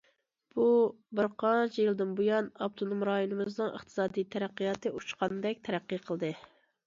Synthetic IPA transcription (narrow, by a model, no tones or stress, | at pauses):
b̥u | bɪɾqʰɑnt͡ʃʰijɨlˠd̪ɨnbujɑnɑp̚t̪ʰonumɾɑjonɨmɨznɨŋə̰χt̪ʰɨ̥sɑːd̪ijt̪ʰɛɾæqːijɑt̪ɨut͡ʃqʰɑnɨd̪ɛk̚ʲt̪ʰɛɾæqːiqʰəlˠd̪ɨ